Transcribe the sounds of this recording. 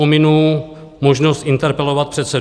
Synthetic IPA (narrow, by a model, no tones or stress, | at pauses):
omɪnuː | moʒnost̪ʔɪnt̪ɛɾpɛlovat̪̚pr̝̥ɛt̪sɛ